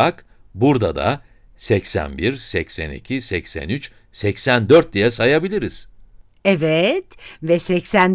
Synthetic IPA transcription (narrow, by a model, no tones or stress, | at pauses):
ak | buɾd̪a̰d̪a̰ | sɛcsæ̰nbiɾsɛcsænḭcʰisɛcsæ̰nyt͡ʃ | sɛcsænd̪øɾt̪̚d̪ijasajabilʲiɾiz̥ | ɛvɛt̪vɛsɛcsæn